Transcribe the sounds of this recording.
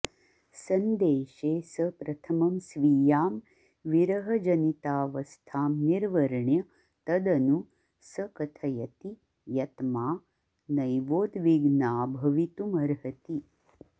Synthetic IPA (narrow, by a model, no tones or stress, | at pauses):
sɐnd̪eːʃeːsɐpɾɐt̪ʰɐmɐmsʋiːjaːm | ʋiɾɐɦɐd͡ʒɐnit̪aːʋɐst̪ʰaːmniɾʋɐɾɳjɐ | t̪ɐd̪ɐnu | sɐkɐt̪ʰɐjɐt̪i | jɐt̪maː | nɐjʋoːd̪ʋiɡnaːbʱɐʋit̪umɐɾɦɐt̪i